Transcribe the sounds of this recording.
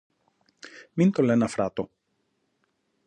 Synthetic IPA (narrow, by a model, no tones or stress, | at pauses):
mint̪olenɐfɾɐt̪o